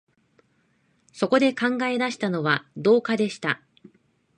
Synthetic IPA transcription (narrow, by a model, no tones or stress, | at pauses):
so̞ko̞d̪e̞kãŋɡae̞d̪aɕi̥t̪ano̞βad̪o̞ːkad̪e̞ɕi̥t̪a